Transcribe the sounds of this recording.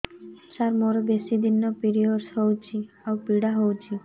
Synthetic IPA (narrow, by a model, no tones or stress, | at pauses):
ʃaɾmoɾobesid̪ʱinːopiɾioɾsɦowt͡ɕʰi | awpiɽaɦowt͡ɕʰi